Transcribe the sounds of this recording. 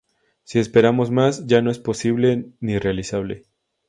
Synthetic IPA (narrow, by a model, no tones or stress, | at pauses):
sie̞spe̞ɾamo̞zmazɟ͡ʝanoe̞spo̞siβle̞nirealisaβle̞̰